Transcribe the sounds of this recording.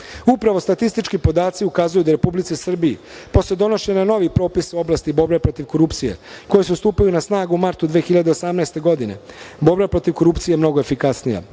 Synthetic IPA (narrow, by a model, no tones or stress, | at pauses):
upɾaʋo̞st̪at̪ist̪it͡ʃkipo̞d̪aːt̪siukazujud̪aɾe̞publit̪sisr̩biḭ | po̞sed̪o̞noʃeɲano̞ʋipɾo̞ːpiso̞blˠast̪ibo̞ɾbepɾo̞t̪iʋko̞ɾupt̪sijḛko̞jesust̪uːpajunasnaːɡumaɾt̪ud̪ʋeːxiʎad̪e̞osamnaɛst̪e̞ɡo̞d̪ine̞̰bo̞ɾbepɾo̞t̪iʋko̞ɾupt̪sijemno̞ɡoefikasnija̰